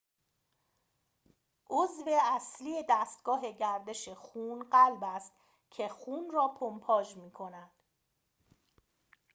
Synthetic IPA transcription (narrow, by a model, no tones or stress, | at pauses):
ʔozve̞æslije̞d̪æːst̪ɡ̥ɒːɦe̞ɟæɾd̪e̞ʃe̞xuːnɢælbæst̪ | cʰe̞xuːnrɒːpʰompʰɒːd͡ʒmiːkʰo̞næd̪̥